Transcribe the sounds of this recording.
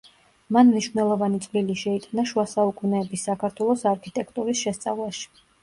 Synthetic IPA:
manmniʃvnɛlˠɔvanit̪sʼliliʃɛit̪ʼanaʃuasaukʼunɛːbisːakʰaɾt̪ʰwɛlˠɔsaɾkʰit̪ʼɛkʼt̪ʼuɾisʃɛst̪sʼa̰vlˠaʃi̥

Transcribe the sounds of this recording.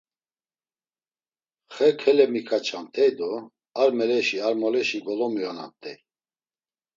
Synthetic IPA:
χɛkʰɛlɛmikʰat͡ʃʰamt̪ʰɛjd̪ɔ | aɾmɛlɛʃiaɾmɔlɛʃiɡɔlɔmiɔna̰mt̪ʰʼɛj

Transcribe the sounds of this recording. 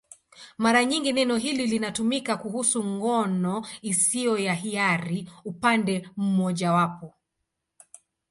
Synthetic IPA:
maɾaɲiŋɡinɛnɔɦililinatumikakuhusuŋɡɔnɔisiɔjaɦiaɾiupandɛm̩mɔʄawapɔ

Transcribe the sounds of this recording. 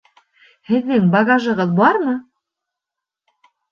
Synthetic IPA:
hɘ̆ðːɘŋbɑɡaʒɤ̆ʁɤðbɑɾmɤ

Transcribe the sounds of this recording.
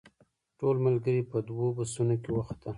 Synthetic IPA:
ʈolmalɡəɾipəd̪wobəsunokewaxt̪əl

